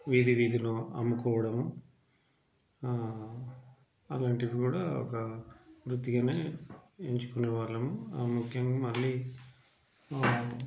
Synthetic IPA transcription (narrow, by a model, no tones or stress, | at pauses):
ʋiːd̪iʋiːd̪inuɐ̰mːukɔːʋɐɽɐmu | ɐlaːɳʈiʋikuːɽaːɔ̰kɐʋɾut̪ːiɡɐneːeɲt͡ʃu̥kuneːʋaːɾlɐmumukʰjɐŋɡaːmɐlːiː